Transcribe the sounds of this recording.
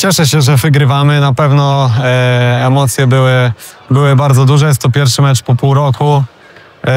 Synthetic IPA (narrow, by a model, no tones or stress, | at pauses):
t͡ɕɛʂɛɕɛʐɛvɘɡɾɘvamɘnapɛvnɔ | ɛmɔt̪sʲjɛbɘwɘ | bɘwɘbaɾd̪zɔd̪uʐɛjɛst̪ɔpʲjɛɾfʂɘmɛt͡ʂpɔpuwɾɔku